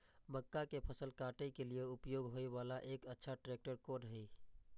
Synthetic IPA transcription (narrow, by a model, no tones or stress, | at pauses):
məkːakepʰəsəlkaːʈəjkelieʊpjoːɡɦoːeʋaːlaʔekətːʃʰaʈɾeːk̚ʈəɾkoɾəɦi